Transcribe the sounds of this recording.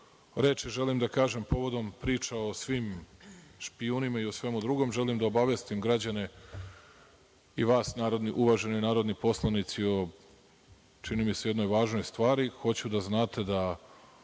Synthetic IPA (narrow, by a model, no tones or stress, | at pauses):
ɾe̞ːt͡ʃiʒe̞limd̪akaːʒe̞mpo̞ʋo̞d̪o̞mpɾiːt͡ʃao̞sʋiːm | ʃpiuːnimaiosʋe̞mud̪ɾuɡo̞mʒe̞limd̪aobaʋjest̪imɡɾad͡ʑane̞ | iʋaːsnaːɾo̞d̪niʔuʋaʒe̞nojnaːɾo̞d̪nipo̞slˠanit̪sio | t͡ʃinimise̞jed̪no̞jʋaːʒno̞jst̪ʋaːɾixo̞t͡ɕud̪aznaːt̪e̞d̪a